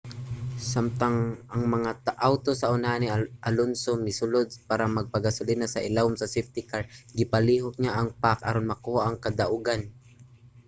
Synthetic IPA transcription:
samt̪aŋʔɐŋmɐŋaʔawt̪osɐʔʊnaːniʔalonsomɪsʊlod̪̚paːɾamɐɡ̚paɡasʊlɪd̪nasɐʔɪlawmsɐsɛft̪ɪkaɹɡɪpaliːɦok̚ɲaʔɐŋpakʔaɾonmɐkuːhaʔɐŋkɐd̪aʔʊɡan

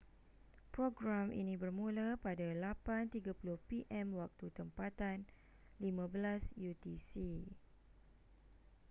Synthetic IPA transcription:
pɾoɡɾamʔḭnĩbərmũlapadalapant̪iɡapulʊhpiʔɛmwak̚t̪ut̪əmpat̪an | limãbəlasjut̪isi

